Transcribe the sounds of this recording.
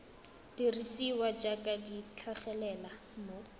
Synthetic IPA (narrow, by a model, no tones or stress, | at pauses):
d̥irisiwat͡ʃʼakʼadit͡ɬʰaχɛlɛla | mʊ